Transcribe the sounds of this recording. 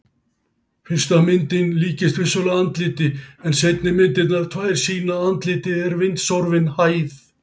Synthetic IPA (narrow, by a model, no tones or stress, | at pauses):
fɪn̥st̪amɪnt̪ɪnliːcɪst̪vɪsɔlaant̪lɪːt̪ɪɛnsejt̪nɪmɪnt̪ɪt̪naɾ̥t̪ʰvaːjɾ̥siːnaant̪lɪːt̪ɪɛɾvɪnt̪sɔwɾvɪnhaːjθ